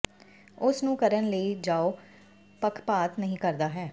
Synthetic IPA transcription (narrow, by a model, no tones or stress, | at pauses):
ʊsnũːkəɾənləid͡ʒaːo | pəkʰpaːt̪nəɦĩːkəɾd̪aːɦɛː